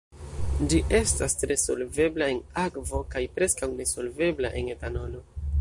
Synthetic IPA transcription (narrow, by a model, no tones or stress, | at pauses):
d͡ʒiʔe̞stastɾe̞so̞lve̞blae̞nakvo̞kajpɾe̞skawne̞so̞lve̞bla̰ʔe̞netanono